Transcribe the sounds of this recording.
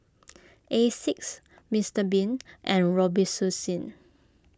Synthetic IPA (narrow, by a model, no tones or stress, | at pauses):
ʔesiks | mistəbĩnʔɛ̃nɹɔbisusĩn